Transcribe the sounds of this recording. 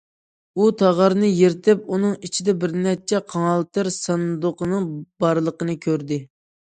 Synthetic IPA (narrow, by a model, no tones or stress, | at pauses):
ut̪ʰɑʁɑɾnɨjeɾt̪ʰɪp̚unɨŋit͡ʃʰid̪ɛbɪɾnɛt͡ʃʰɛqʰɑŋɑlˠt̪ɨɾsɑnd̪oqʰənɨŋbɑɾlˠəqənɨkʲʰøɾd̪ɪ